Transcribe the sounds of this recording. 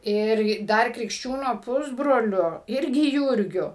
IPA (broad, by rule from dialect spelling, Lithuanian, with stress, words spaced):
ˈɪr ˈdɐr krʲɪkʃʲˈt͡ʃʲuːnoː ˈpʊzbroːlʲʊ ˈɪrʲɡʲɪ ˈjuːrʲɡʲʊ